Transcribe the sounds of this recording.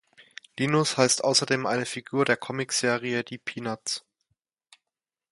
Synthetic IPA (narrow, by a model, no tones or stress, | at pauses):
liːnʊshaɪstʔaʊsɐdeːmʔa̰ɪnəfiɡuːɐɾeːɐkʰɔmɪkz̥eːʁiədiːpʰiːnat͡s